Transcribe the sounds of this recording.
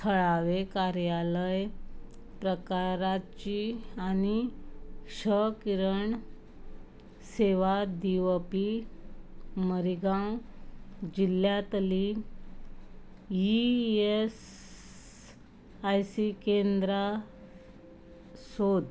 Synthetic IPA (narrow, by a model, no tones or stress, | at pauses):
t̪ʰəɭaʋekaɾjaləj | pɾəkaɾat͡ɕiani | ɕəkiɾəɳ | seʋad̪iʋəpi | məɾiɡãw | d͡ʑiljat̪əli | ies | ajsikend̪ɾa | sod̪